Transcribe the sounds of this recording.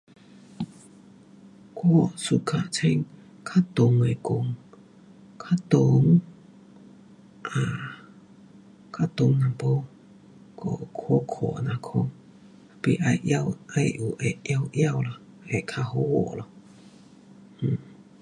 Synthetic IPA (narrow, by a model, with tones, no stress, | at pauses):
kʰwɔ˥˧˨su˧˨kʰa˧t͡sʰɛ˧˥ŋ | kʰa˦˥t̪ʊ˨ŋe˨kʊ˨˧˨ŋ | kʰa˥t̪o˨˦ŋ | ʔa˨ | kʰa˦˥t̪ʊ˨˦ŋna˨po˧˦ | kʰɔ˧kʰɔ˧˦kʰɔ̰˧˨na˨kʰɔ˧ŋ˨ | pi˧˨ʔa˧jʔja˧wʔa˧jʔu˨˩ʔe˨ʔja˧wʔja˥˧˨wla˨ | e˨kʰa˧ho˧˦wɔ̰˨ʔlɔ˧˨ | h̩˨˩